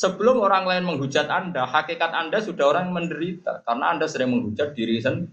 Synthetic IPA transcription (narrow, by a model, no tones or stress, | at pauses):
səb̥əlʊmoɾaŋlaɪnməŋɦu̥d͡ʒat̪andahakikat̪andasud̥aɦoɾaŋməndəɾit̪a̰kaɾnaːndasəɾɪŋməŋɦud͡ʒat̪̚d̥iɾisən